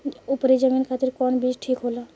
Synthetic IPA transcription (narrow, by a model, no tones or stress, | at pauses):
upɾed͡ʒəminkʰaːt̪iɾkɔnbisʈʰiːkɦoːla